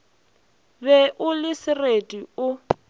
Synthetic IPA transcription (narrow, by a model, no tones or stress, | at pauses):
bɛʔʊlɪsɪretʼiʊ